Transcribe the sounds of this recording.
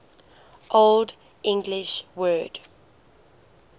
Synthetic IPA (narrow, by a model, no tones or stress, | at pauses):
ʔold | ʔɪ̃ŋɡlɪʃwɜːd̥